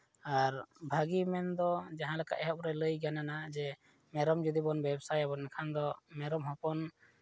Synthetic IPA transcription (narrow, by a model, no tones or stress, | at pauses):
aɾbʱaɡimɛnd̪ɔd͡ʒaɦãlaka̰ʔɛɦɔp̚ɾɛləjɡananad͡ʒɛ | mɛɾɔmd͡ʒud̪ibɔnbɛbsajabɔnnɛkʰand̪ɔmɛɾɔmɦɔ̃pɔn